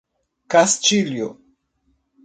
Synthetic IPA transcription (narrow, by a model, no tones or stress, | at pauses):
kast͡ʃiljo